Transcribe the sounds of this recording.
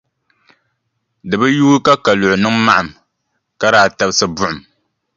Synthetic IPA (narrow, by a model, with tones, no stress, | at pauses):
dɨ˨bɨ˦juː˦ka˦ka˨lʊ˨ʔʊ˨nɨ˦ŋma˦ʔa˨m | ka˦ɾaː˨ta˨˦bsɨ˦bʊ˦ʔʊ˨m